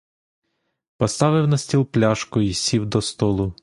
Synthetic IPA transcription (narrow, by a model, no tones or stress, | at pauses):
pɔst̪ɑʋɪwnɐsʲtʲilˠplʲɑʃkʊisʲiwd̪ɔst̪ɔlˠʊ